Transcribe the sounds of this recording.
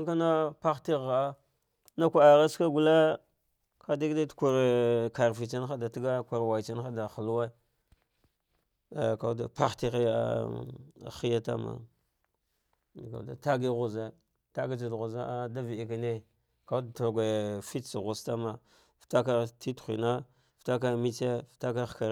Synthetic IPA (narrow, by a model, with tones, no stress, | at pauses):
ŋka˦na˦pa˦xti˦ɣa˨a˦ | na˦kʷa˨a˨ɣa˦ska˦ɡu˨la˦ | ka˦di˦ɡda˦tka˨ɾe˨ka˨ɾfi˨t͡ʃa˦n˦xa˦da˨ti˦ɡa˦kʷa˨ɾwa˨t͡ʃa˦n˦a˦da˨xa˨lwa˦˨ | ka˨˦da˨pa˦xti˦ɣi˦ja̰˦˨ | xi˦ja˦ta̰˦ma̰˨ | ka̰˨da̰˨ta˦ɡi˦ɣu˨za˦ | ta˦ɡi˦t͡ʃa˨dɣu˨za˦a˦da˦vi˨i˨ka˨ne˦ | ka˦dta˨ɡʷe˨fi˦t͡si˨ɣu˨sta˦ma˨ | fta˦k̬a˦˨ti˦txʷḭ˨na˦ | fta˦k̬a˦mi˦t͡se˦fta˦ka˦˨ka˨ɾ